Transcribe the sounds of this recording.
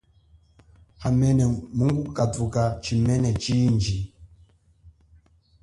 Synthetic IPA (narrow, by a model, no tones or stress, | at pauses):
amɛnɛmuŋɡukatukat͡ʃimɛnɛt͡ʃind͡ʒi